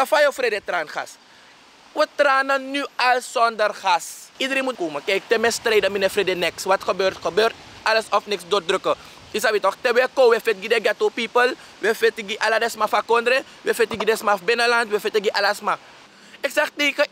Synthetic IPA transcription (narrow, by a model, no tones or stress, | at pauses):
tafajofredetraːnxa̰s | wətraːnɐnyalsɔndərxasidɾẽmutkumɐkɛjk̚tɛmɛstɾejdaminɛfredenɛksʋatxəbøːrtxəbøːrt | aləsɔfnɛksdot̚dɾøkə | is̬aʋitɔxtɛʋɛkoʋɛfet̚ɡidɛɡatopipəl | ʋefetiɡiʔaladɛsmafakɔndɾe | ʋefetiɡidɛsmafbenəlantʋefetiɡiʔalasma | ɛksaxtekə